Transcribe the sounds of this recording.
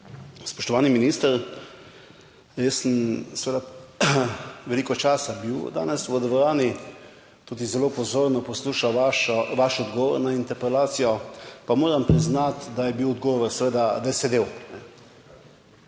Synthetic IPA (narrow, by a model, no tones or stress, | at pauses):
spɔʃt̪ɔʋaːniminist̪əɾ | ɾesənsɛʋeːd̪a | ʋɛliːkɔt͡ʃaːsabiwd̪a̰ːnɛsʋəd̪ʋɔɾaːni | t̪uːd̪izɛlopɔzoːɾnɔpɔsluːʃaʋaʃɔʋaːʃɔd̪ɡɔːʋɔɾnaint̪ɛɾpɾɛlaːt̪sijɔpamoːɾampɾiznat̪d̪ajɛbiwɔd̪ɡɔːʋɔɾsɛʋed̪ad̪ajɛsɛd̪eːwnɛ